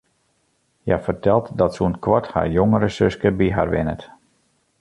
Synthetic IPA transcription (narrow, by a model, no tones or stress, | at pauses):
jafərtɛlˠtdɔtsunkwɔtha̰ːɹjoŋəɾəsøskəbiɦa̰ɹʋɪnə̰t